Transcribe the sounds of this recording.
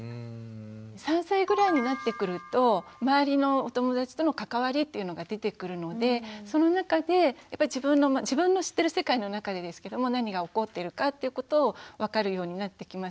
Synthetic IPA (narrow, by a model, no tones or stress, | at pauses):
sãɰ̃saiɡɯ̟ɾaiɲ̟inat̪ːe̞kɯ̟ɾɯ̟t̪o̞maːaɾʲino̞ot̪o̞mo̞d̪at͡ɕi̥t̪o̞no̞kakaβ̞aɾʲit̪ːe̞iɯ̟no̞ɡad̪e̞t̪e̞kɯ̟ɾɯ̟no̞d̪e̞so̞no̞nakad̪e̞japːaiʑibɯ̟̃nːo̞mad͡ʑibɯ̟̃nːo̞ɕi̥t̪ːe̞ɾɯ̟se̞kaino̞nakad̪e̞d̪e̞sɨ̥ke̞d̪o̞mo̞naɲ̟iɡao̞ko̞t̪ːe̞ɾɯ̟kat̪ːe̞iɯ̟ko̞t̪o̞ːβakaɾɯ̟jo̞ːɲ̟inat̪ːe̞kʲimas